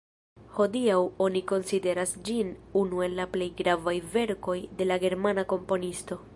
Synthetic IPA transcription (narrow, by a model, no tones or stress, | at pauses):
ho̞diawo̞niko̞nside̞ɾasd͡ʒinunue̞nlaple̞jɡɾavajve̞ɾko̞jde̞laɡe̞ɾmanako̞mpo̞nisto̞